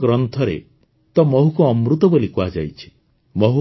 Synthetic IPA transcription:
ɡɾɔnt̪ʰɔɾḛ | t̪ɔmɔɦukuːmɾut̪ɔbolikuad͡ʒa̰jt͡ʃʰi̥ | mɔɦu

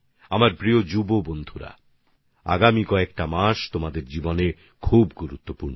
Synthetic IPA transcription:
amaɾbɾiod͡ʑubobond̪ʱuɾa̰ | a̰ɡamikɔekʈamaʃt̪omad̪eɾd͡ʑibone | kʰubɡuɾut̪ːopuɾno

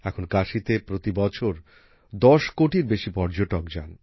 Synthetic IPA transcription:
ɛkʰonkaʃit̪epɾot̪ibɔt͡ɕʰoɾ | d̪ɔʃkoʈiɾbeʃipɔɾd͡ʑoʈokd͡ʑa̰n

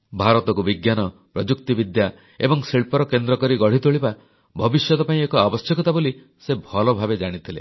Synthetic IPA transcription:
bʱaɾɔt̪ɔkubiɡjanɔpɾɔd͡ʒukt̪ibid̪ja | ebɔŋsiɭpɔɾɔkend̪ɾɔkɔɾiɡɔɽ̤it̪oɭiba | bʱɔbisjɔt̪ɔpaĩekɔabɔsjɔkɔt̪ʰaboli | sebʱɔlɔbʱabed͡ʒaɽ̃it̪ʰilḛ

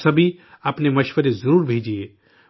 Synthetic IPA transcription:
sɐbʱi | apnemɐʃʋəɾezəɾuːɾbʱeːd͡ʒie

